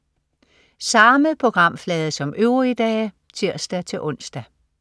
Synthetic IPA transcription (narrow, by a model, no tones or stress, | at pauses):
sɑ̈məð̩ˠpʰʁo̝ɡ̥ʁɑ̈m̰flɛːð̞̩ˠəsɒ̽møʊʁiid̥ɛ̰ː | t͡sʰiɐ̰sd̥æt͡sʰe̝lʔɔ̽n̰sd̥æ